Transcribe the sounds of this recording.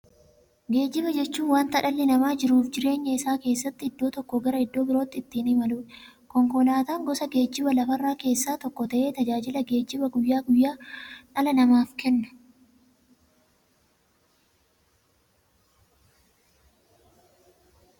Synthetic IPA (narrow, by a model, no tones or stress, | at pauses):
ɡe̞ːd͡ʒːɪβɐd͡ʒɛt͡ʃːuːnwaːnt̪ɐᶑɐlːɪnɐmaːd͡ʒɪɾuːfd͡ʒɪɾe̞ːɲːɐɪsaːke̞ːsːɐt̪ːɪɪd̪ːo̞ːt̪ɔkːɔɡɐɾɐɪd̪ːo̞ːbɪɾo̞ːt̪ːɪt̪ːiːnɪmɐluː | kɔŋkɔlaːt̪aːŋɡɔsɐɡe̞ːd͡ʒːɪbɐlɐfɐrːaːke̞ːsːaːt̪ɔkːɔt̪ɐʔe̞ːt̪ɐd͡ʒaːd͡ʒɪlɐɡe̞ːd͡ʒːɪbɐɡʊjːaːɡʊjːaːᶑɐlɐnɐmaːfkɛnːɐ̥